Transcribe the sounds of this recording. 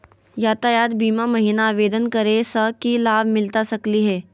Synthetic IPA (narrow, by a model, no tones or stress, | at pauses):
jaːt̪ajaːd̪biːmamɐɦiːnaːʋeːd̪ənkɐɾesəkilaːbʱmɪlt̪asɐkliɦɛː